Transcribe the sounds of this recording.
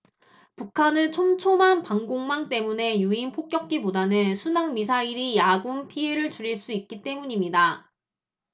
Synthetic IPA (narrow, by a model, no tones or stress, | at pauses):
pukʰanɯnt͡ɕʰomt͡ɕʰomanpaŋɡoŋmaŋt͈e̞mune̞juinpʰok̚k͈jʌk̚k͈ibodanɯnsʰunaŋmisʰaiɾijaɡumpʰie̞ɾɯɭt͡ɕuɾiɭs͈uit̚k͈it͈e̞muɲimɲida